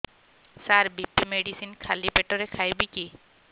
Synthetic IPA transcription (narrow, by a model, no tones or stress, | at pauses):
saɾbipːimeɖisinkʰalipeʈɔɾekʰajbiki